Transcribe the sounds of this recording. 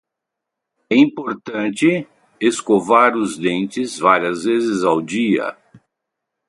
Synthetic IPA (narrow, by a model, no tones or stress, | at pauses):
ɛĩpoɾt̪ɐ̃nt͡ʃɪ | eskovaɾʊzd̪ẽnt͡ʃɪzvaɾiɐzvezɪzawd͡ʒiɐ̰